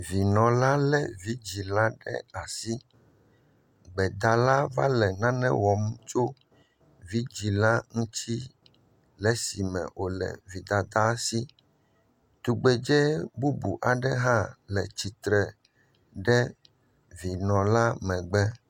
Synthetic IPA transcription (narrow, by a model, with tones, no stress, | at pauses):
vi˨nɔ̃˨la˦lɛ˦vi˦d͡ʑi˨la˦ɖɛ̰˦a˨si˦ | ɡ͡bɛ˨d̪a˨la˦va˦lɛ˨nã˦nɛ̰̃˦wɔ˨m˦t͡ʃo˦ | vi˦d͡ʒi˨la˦ŋũ˦t̪i˦ | lɛ˨si˨mɛ̰̃˨ʔo˨lɛ̰˨vi˨d̪a˨d̪a˦si˦ | t̪u˨ɡ͡bɛ˨d͡ʒɛ˦bu˦bṵ˨ʔa˨ɖɛ˦ɦã˦lɛ˨t͡ɕi˨t̪ɾɛ˨ | ɖɛ˦ | vi˨nɔ̃˨la˦mɛ̃˨ɡ͡bɛ˦